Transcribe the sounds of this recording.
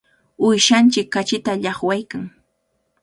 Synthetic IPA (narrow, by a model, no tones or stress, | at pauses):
ʊjʃant͡ʃɪkːat͡ʃɪt̪aʎɑχwajkaŋ